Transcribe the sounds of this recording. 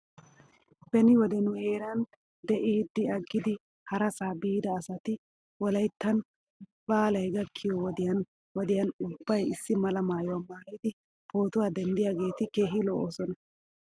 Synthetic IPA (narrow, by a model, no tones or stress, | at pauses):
b̥ɛnɪwɔd̪ɛnʊhe̞ːɾɐn | d̪ɛʔiːd̪ːɪɐɡːɪd̪ɪ | hɐɾɐsaːbiːd̪ɐːsɐt̪ɪ | wɔlɐjt̪ːɐn | b̥aːlɐjɡɐkʰːɪjɔwɔd̪ɪjɐn | wɔd̪ɪjɐnʊb̥ːɐjɪsːɪmɐlɐmaːjʊwaːmaːjid̪ɪ | pʰoːt̪ʊwaːd̪ɛnd̪ɪjaːɡe̞ːt̪ɪke̞ːɦɪlɔʔoːsɔnɐ